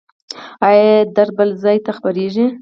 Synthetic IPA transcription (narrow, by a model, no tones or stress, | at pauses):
ajed̪aɾbəlzɑjt̪axpaɾeʒi